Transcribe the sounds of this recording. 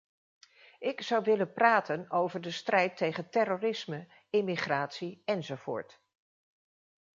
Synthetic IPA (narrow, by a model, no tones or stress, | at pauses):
ʔɪkzɑwʋɪlənpraːtʰənowvəɹdəstrɛjtːejχəntɛroːrɪsmə | ɪmiχraːtsiɛnzowv̥ʊ̰ːɹt